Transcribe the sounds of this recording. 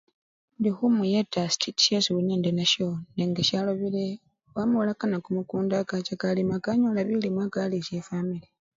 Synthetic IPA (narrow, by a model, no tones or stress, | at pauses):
ndixumujetːastʰeti̥jesuβuneːndenaʃondeŋɡecaloβile | wamuwlakanakumukuːndakacakalimakaɲolaβilimwaːkalicefamile